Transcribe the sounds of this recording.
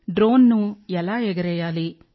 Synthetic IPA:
ɖɾoːnːuɛlaːɛɡɐɾɛjaːli

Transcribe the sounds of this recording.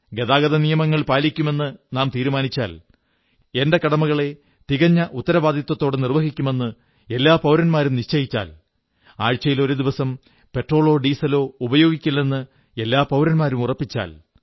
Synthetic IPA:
ɡe̞ðaːɡɐðɐnijɐmɐŋːɐɭpaːlikʲːume̞nːɨnaːmt̪iːɾumaːnit͡ɕːa̰ːl | e̞nde̞kɐɽɐmuɣɐɭe̞ | t̪iɣɐɲːɐʔut̪ːɐɾɐbaːd̪ʱjɐt̪ːwɐt̪ːo̞ːɽɨnirʋɐɦikʲːume̞nːɨ | e̞lːaːpɐwɾɐnmaːɾumniɕt͡ɕɐjit͡ɕːa̰ːl | aːɻt͡ɕːɐjilo̞ɾud̪iʋɐsɐm | pe̞ʈro̞ːɭo̞ːɖiːsɐlo̞ːubɐjo̞ːɡikʲːulːenːɨ | e̞lːaːpɐwɾɐnmaːɾumurɐpːit͡ɕːa̰ːl

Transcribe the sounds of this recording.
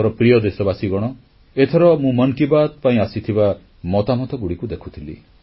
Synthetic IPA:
ɔɾɔpɾijɔd̪esɔbasiɡɔɽ̃ɔ | et̪ʰɔɾɔmũmɔŋkibat̪̚paĩasit̪ʰiba | mɔt̪amɔt̪ɔɡuɽikud̪ekʰu̥t̪ʰilḭ

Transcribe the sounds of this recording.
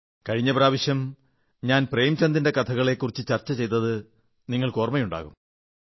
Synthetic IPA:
kɐɻiɲːɐpɾaːʋɐɕjɐm | ɲaːnprejmt͡ɕɐnd̪inde̞kɐt̪ʰɐɣɐɭe̞kːurit͡ɕːɨt͡ɕɐrt͡ɕːɐt͡ɕe̞jt̪ɐðɨ | niŋːɐɭko̞ːrmɐjuɳɖa̰ːɣum

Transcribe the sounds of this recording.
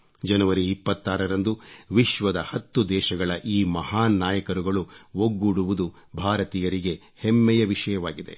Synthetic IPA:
d͡ʒɐnɐʋɐɾiːpːɐt̪ːaːɾɐɾɐnd̪uʋiʃʋɐd̪ɐhɐt̪ːud̪ɛːʃɐɡɐɭɐʔiːmɐhaːnːaːjɐkɐɾuɡɐɭuʋoɡːuɽuʋud̪u | bʱaːɾɐt̪iːjɐɾiɡe̞ | hemːɛjɐʋiʃɐjɐʋaːɡid̪e̞̰

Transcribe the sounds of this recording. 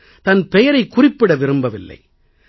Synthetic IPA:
t̪ɐnpɛjɐɾɐɪkːʊrɪpːɪɽɐʋɪɾɯmbɐʋɪlːɐ̰ɪ

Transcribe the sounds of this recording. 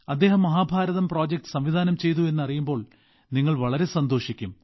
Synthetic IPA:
ɐd̪ːe̞ːɦɐmːɐɦaːbʱaːɾɐðɐmpro̞ːd͡ʑek̚ʈɨ̥sɐmʋid̪ʱaːnɐmt͡ɕe̞jt̪ue̞nːɐrijumbo̞ːɭ | niŋːɐɭʋɐɭɐɾe̞sɐnd̪o̞ːʂikʲːum

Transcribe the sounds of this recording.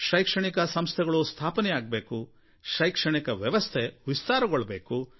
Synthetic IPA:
ʃɐjkʂɐɳikɐsɐmst̪ʰɛɡɐɭust̪ʰaːpɐnɛjaːɡ̚beːku | ʃɐjkʂɐɳikɐʋjɐʋɐst̪ʰeʋist̪aːɾɐɡoɭːɐbeːku

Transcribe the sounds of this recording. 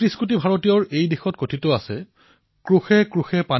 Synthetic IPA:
tɹiskutibʱaɹotijɔɹejdexɔtkotʰitʊasɛ | kɹuxɛkɹuxɛpa

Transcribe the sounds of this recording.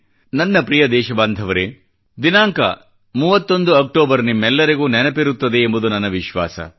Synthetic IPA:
nɐnːɐpɾijɐd̪ɛːʃɐbaːnd̪ʱɐʋɐɾe | d̪inaːŋkɐ̰ | muːʋɐt̪ːo̞nd̪uɐk̚ʈoːbɐɾnimːɛlːɐɾiɡuːnɛnɐpiɾut̪ːɐd̪eːmbud̪unɐnːɐʋiʃʋa̰ːsɐ̰

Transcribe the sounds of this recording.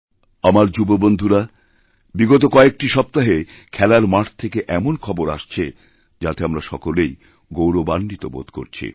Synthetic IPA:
amaɾd͡ʑubobond̪ʱuɾa | biɡot̪̬okɔek̚ʈiʃɔp̚t̪aɦe | kʰɛlaɾmaʈʰt̪ʰekeʔɛmonkʰɔboɾa̰ʃt͡ɕʰe | d͡ʑat̪eamɾaʃɔkolej | ɡowɾobanːit̪o̰bo̰d̪ko̰ɾt͡ɕʰḭ

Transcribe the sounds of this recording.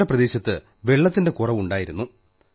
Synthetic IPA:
ɐprɐðe̞ːɕɐt̪ːɨ | ʋe̞ɭːɐt̪ːinde̞kurɐʋuɳɖaːjiɾunːu

